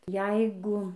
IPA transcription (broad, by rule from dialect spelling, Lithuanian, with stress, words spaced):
ˈjɛɪɡʊ